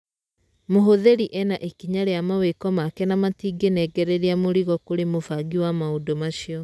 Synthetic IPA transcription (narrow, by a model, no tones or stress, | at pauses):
moɦoðeɾiʔɛnaʔekiɲaɾejamawekɔmakɛnamatiːɡenɛɡɛɾeɾiamoɾiɣɔkoɾemofaɡiwamaodomaʃiɔ